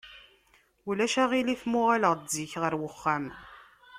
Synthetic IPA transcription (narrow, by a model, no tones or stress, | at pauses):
ulæʃaʁiliθmʊʁaləʁziçʁəɾwəχːam